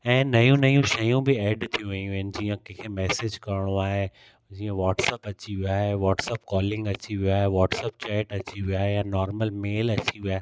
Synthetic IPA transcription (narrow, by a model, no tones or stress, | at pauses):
ɛ̃ːnɐjũnɐjũʃɐjũbɪɛːɖt̪ʰijũʋɐ̃ũʋɪnɪ̆d͡ʑiːə̃kẽːkʰemɛːsed͡ʑkɐɾɪɽ̃oaːɦe | d͡ʑiːə̃ʋɔːʈsəpɐt͡ɕiʋiaːɦeʋɔːʈsəpkɔːlɪ̃ŋɡɐt͡ɕiʋiaːɦeʋɔːʈsəp̚t͡ɕɛːʈɐt͡ɕiʋiaːɦejanɔːɾməlmeːlɐt͡ɕiʋiaːɦe